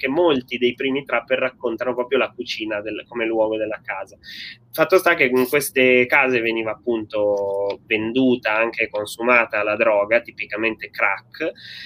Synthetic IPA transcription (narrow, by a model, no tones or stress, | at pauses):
k̟emːolt̪id̪ejpɾiːmit̪ɾapːerːakːont̪anopɾɔːpɾjolakut͡ʃiːnad̪elkomelwɔːɡod̪elːakaːza | fat̪ːost̪akːeiŋkwest̪ekaːzeveniːvaːpːunt̪ovend̪uːt̪aaŋk̟ekonsumaːt̪aːlːad̪ɾɔːɡat̪ipikament̪ekɾakː